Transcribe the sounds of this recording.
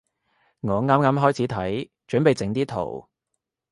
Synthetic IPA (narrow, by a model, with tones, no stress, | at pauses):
ŋɔː˨˧ŋaː˥mŋaː˥mɦɔː˥jt͡sʰiː˨˥t̪ʰɐ˨˥j | t͡ʃɵ˨˥npe˨jt͡sɪ˨˥ŋt̪iː˥t̪ʰo̰˨˩w